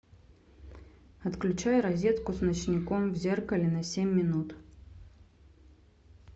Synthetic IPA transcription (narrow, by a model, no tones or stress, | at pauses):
ɐt̪klʲʉt͡ɕajɾɐzʲe̞t̪kʊsnət͡ɕnʲɪkomvzʲerkəlʲɪnɐsʲemʲːɪnut̪